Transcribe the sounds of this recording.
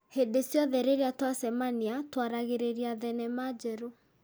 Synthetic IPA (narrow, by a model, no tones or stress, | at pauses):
hedesjɔðɛɾeɾeatwasɛmaniatwaɾaɣeɾeɾiaðɛnɛmad͡ʒɛɾo